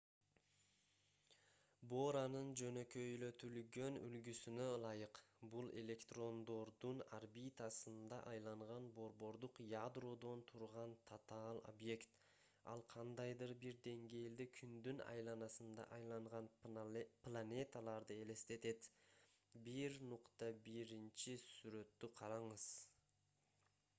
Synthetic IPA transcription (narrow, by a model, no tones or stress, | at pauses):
bo̞ɾanɯnd͡ʒø̞nø̞kø̞jlø̞t̪ʰylɡø̞ny̰lɡysynølˠɑjɯqbulˠe̞̰lʲe̞kt̪ro̞nd̪o̞ɾd̪una̰rbit̪asɯnd̪ɑ̰ʔɑjlˠɑɴʁɑnbo̞ɾbo̞ɾd̪uqjad̪ro̞d̪o̞nt̪ʰuɾʁɑnt̪ʰat̪ɑlˠo̰bje̞kt̪ | ɑ̰lˠqʰɑnd̪ɑjd̪ɯɾbiɾd̪e̞ŋɡe̞ːld̪ekʰynd̪ynɑ̰jlˠɑnɑsɯnd̪ɑ̰ʔɑjlˠɑɴʁɑnplˠanʲe̞t̪alˠɑɾd̪ɯe̞le̞st̪e̞t̪e̞t̪ | biɾnuqt̪ɑbiɾint͡ʃisyɾø̞t̪ːyqʰɑɾɑɴɯz̥